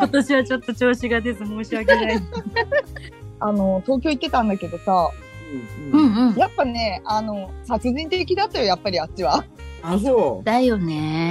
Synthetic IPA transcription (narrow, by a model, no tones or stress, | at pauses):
ko̞t̪o̞ɕiβat͡ɕo̞t̪ːo̞t͡ɕo̞ːɕiɡad̪e̞sɨmo̞ːɕiβak̬e̞nain | ano̞t̪o̞ːkʲo̞it̪ːe̞t̪ãnd̪ake̞d̪o̞sa | ɯɯ̟̃ɴɯ̟̃ɴjapːane̞ano̞sat͡sɨʑĩnt̪e̞kʲid̪at̪ːajo̞japːaɾʲiat͡ɕiβaas̬od̪̥aijo̞ne